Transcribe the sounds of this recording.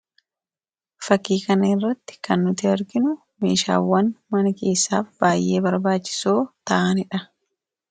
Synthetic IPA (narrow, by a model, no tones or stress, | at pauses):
fɐkːiːkɐnɐɪrːɐt̪ːɪ̥kɐnːʊt̪ɪɐɾɡɪnʊ | mḛːʃa̰ːwːɐnmɐnɐke̞ːsːa̰ːfb̥aːjʔeːbɐɾbaːt͡ʃːɪ̥so̞ːt̪ɐʔɐnɪᶑɐ